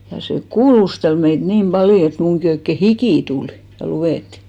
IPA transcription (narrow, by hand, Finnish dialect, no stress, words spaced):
jɑ se kuːlustel meit nim b̥ɑljo et muŋki oikːe hikiˑ tul jɑ luw̆eˑtːi̥